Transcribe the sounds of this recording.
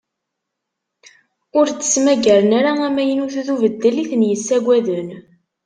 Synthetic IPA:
ʊɾt͡sːə̥smæɡæɾənæɾaæmæjənuθuθuvəd̪ːəliθənjəsːæɡʷæðən

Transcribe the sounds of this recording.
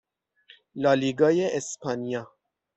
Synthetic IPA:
lɑːliɡɑjeʔespʰɑnijɑ

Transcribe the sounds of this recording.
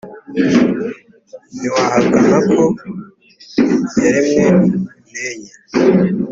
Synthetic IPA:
niwahaɡahakʰo | jaɾimŋe | meɲa

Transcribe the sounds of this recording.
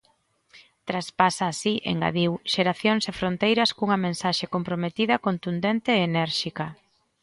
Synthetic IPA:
t̪ɾaspasaːsiʔḛŋɡa̰ðiwʃeɾaθjoŋsefɾont̪ejɾɐskuŋɐmẽnsaʃekompɾomet̪iðɐkont̪und̪ent̪eːnɛɾʃikɐ

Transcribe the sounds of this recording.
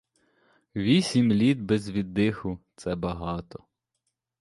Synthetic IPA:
ʋʲisʲimlʲid̪̚bɛzʋʲid̪ːɪxʊt̪sɛbɐɦɑt̪ɔ

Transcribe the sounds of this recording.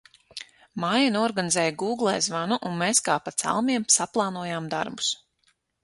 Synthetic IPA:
maːjanuɔɾɡanizɛːjɡuːɡlˠɛjzvanuʔunmeːskaːpat̪sa̰lˠmiɛmsaplˠɑːnuɔjaːmd̪a̰ɾbu̥s

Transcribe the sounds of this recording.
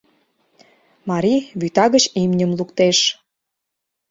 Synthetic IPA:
mɑɾiβyt̪ɑɣət͡ɕimnʲəmlukt̪eʃ

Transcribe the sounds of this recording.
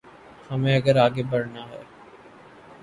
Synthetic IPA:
hɐmẽɐɡəɾaːɡebɐɾnaɦɛː

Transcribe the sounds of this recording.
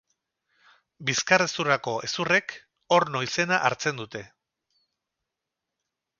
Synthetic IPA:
biskaresurako̞e̞sure̞k | o̞ɾno̞ise̞naʔaɾt͡se̞nd̪ut̪e̞

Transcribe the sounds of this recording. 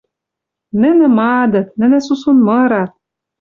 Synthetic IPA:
nɘ̆nɘ̆mɑːd̪ɤ̆t̪nɘ̆nɘ̆susunmɤɾɑt̪̚

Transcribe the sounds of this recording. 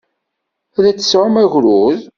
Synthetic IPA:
ðæt͡sːə̥sʕʊmæʝɾuð

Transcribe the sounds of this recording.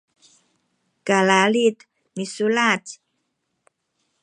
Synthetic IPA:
kalalit̪ | misulat

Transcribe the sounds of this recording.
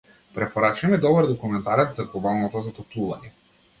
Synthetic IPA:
pɾɛpɔɾat͡ʃimɛd̪ɔbəɾd̪ɔkumɛnt̪aɾɛt̪zaɡɔbalˠnɔt̪ɔzat̪ɔplˠuvaɲɛ

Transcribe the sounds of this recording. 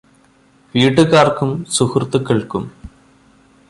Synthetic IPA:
ʋiːʈːɨkaːrkumsuhrt̪ːukːeɭkum

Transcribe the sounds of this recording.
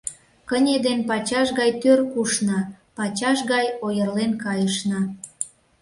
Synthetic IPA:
kənʲed̪enpɑt͡ɕɑʃɣɑjt̪ørkuʃnɑ | pɑt͡ɕɑʃɣɑjojərlenkɑjəʃnɑ

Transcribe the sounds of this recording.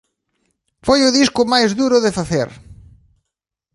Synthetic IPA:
fojʊðiskʊmajzðuɾʊðɪfaθḛɾ

